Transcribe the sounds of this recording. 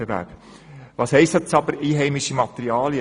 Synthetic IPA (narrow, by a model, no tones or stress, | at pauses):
əʋæ̰ːk | ʋɑːshɛɪst̪ət͡sɑbəɾiːɦɛɪmiʃimɑt̪əɾiɑːljə